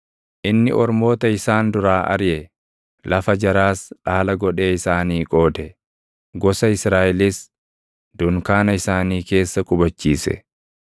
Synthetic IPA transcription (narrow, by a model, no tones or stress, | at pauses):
ʔɪnːɪ̰ɔɾmo̞ːt̪ɐɪsaːnd̪ʊɾaːʔɐ̰ɾjɛ | lɐfɐd͡ʒɐɾaːsᶑaːlɐɡɔᶑe̞ːɪsaːniːkʼo̞ːd̪ɛ | ɡɔsɐɪsɾaːʔɪlɪs | d̪̥ʊŋkaːnɐɪsaːniːke̞ːsːɐkʼʊbɐt͡ʃːiːsɛ̰